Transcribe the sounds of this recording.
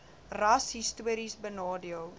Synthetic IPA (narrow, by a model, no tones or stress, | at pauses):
rɐsɦistuəɾisbənɑːdiəlˠ